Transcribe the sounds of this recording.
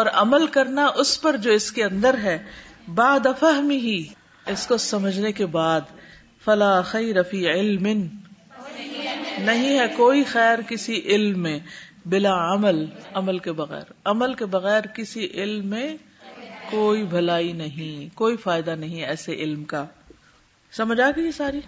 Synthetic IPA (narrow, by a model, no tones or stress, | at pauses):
ɔːɾɐməlkɐɾnaʔʊspɐɾd͡ʒoːɪskeɐ̃nd̪əɾɦɛː | baːd̪afɐɦmiɦi | ɪskosɐməd͡ʒʱnekebaːd̪ | fɐlaːxɐjɾɐfiːɪlmɪn | nɐɦĩɦɛkoːixɛːɾkɪsiʔɪlmːẽbɪlaɐməlɐməlkebɐɣɛ̰ːɾɐməlkebɐɣɛːɾkɪsiʔɪlmːẽ | koːibʱɐlaːinɐɦĩkoːifaːɪd̪anɐɦĩɦɛɛːseʔɪlmka | sɐməd͡ʒʱaːɡijesaːɾi